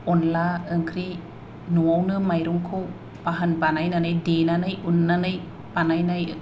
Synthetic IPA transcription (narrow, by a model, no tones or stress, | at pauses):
ɔnlaəŋkʰɾi | nuawnɯmajɾuŋkʰɯw | paɦanbanajnanajdenanajunːanaj | panajnaj